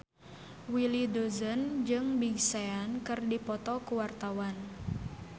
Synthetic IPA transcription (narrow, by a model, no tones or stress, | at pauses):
wilidozənd͡ʒɨŋbiɡseankɨrdipɔt̪ɔkuwart̪awan